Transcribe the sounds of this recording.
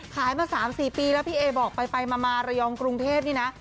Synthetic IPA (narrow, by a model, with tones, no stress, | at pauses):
kʰaː˨˩˦jmaː˧saː˩˦msiː˨˩piː˧lɛ˦˥wpʰiː˥˩ʔeː˧bɔː˨˩k̚pa˧jpa˧jmaː˧maː˧ɾa˧jɔː˧ŋkɾu˧ŋt̪ʰeː˥˩p̚niː˥˩na˦˥ʔ